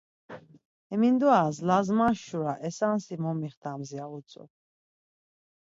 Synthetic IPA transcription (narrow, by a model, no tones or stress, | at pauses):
ɛmind̪uazlazmaʃuɾaʔɛsansimɔmiχd̪ʰamziaut͡sʼɔ̰